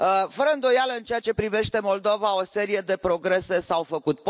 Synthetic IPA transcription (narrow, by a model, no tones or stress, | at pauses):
fəɾəɨnd̪o̞jaləɨnt͡ʃe̞at͡ʃe̞pɾive̞ʃt̪e̞mo̞ld̪ovao̞se̞ɾije̞d̪e̞pɾo̞ɡɾe̞se̞sawfəkut̪̚p